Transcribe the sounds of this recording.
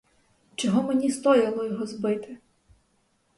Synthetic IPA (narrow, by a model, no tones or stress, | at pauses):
t͡ʃɔɦɔmenʲist̪ɔjɐlˠɔjɔɦɔzbɪt̪ɪ